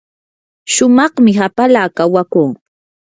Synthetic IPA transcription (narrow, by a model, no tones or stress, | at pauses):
ʃʊmɑχmɪɦapalaːkawakuː